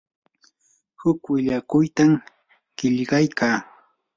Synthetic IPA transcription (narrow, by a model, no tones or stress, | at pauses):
hʊkwɪʎakʊjt̪am | ɢ̥ɪʎɢɑjkʰaː